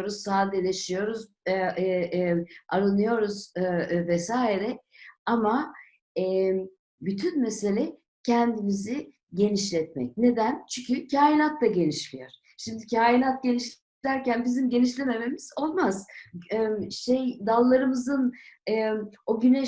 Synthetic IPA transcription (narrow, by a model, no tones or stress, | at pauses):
ɾuz̥saːd̪elʲe̞ʃijo̞ɾuz | aɾɯnɯjo̞ɾuzvɛsaːjiɾɛama | ɛ | byt̪ʰynmese̞lʲɛ | cʰɛnd̪imizi | ɟe̞niʃlʲɛt̪̚mɛ̰c̚ne̞d̪ænt͡ʃʰyɲcʰycʰaːjinat̪lˠaɟe̞niʃlʲijoɾ̥ | ʃimd̪icʰaːjinat̪̚ɟe̞niʃl | læɾcænbizimɟe̞niʃlʲe̞me̞me̞miz̥o̞lˠmaz̥mʃejd̪alˠːaɾɯmɯzɯnɯo̞ɟynɛ